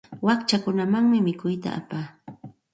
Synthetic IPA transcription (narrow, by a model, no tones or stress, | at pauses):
wakt͡ʃakʊnamaŋmɪmɪkʊjt̪a̰ʔa̰paː